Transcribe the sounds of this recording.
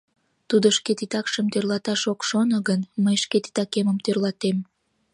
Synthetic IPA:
t̪ud̪oʃket̪it̪ɑkʃəmt̪ørlɑt̪ɑʃokʃonoɣənməjʃket̪i̥t̪ɑkeməmt̪ørlɑt̪em

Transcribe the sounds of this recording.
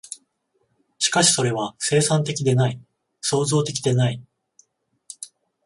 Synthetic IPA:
ɕi̥kaɕi̥so̞ɾe̞β̞ase̞ːsãnt̪e̞kʲid̪e̞nai | so̞ːzo̞ːt̪e̞kʲid̪e̞nai

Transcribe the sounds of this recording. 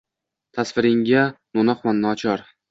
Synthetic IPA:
t̪ʰasvɪɾɪŋɡʲanonɒχmanːɒt͡ʃʰɒɾ

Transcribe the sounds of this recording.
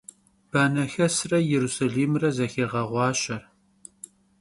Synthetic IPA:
b̥aːnɐxɐsrɐjɛɾusaɮiːmrɐzɐxeːʁɐʁʷɑːɕɐr

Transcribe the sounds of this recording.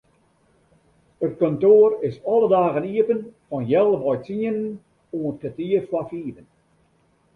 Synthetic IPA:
ət̚kɔntoərɪsɔlˠədaːɣəniəpənfɔnjɛlˠəbɔjt͡siənən | uətkətiəfwafiːvən

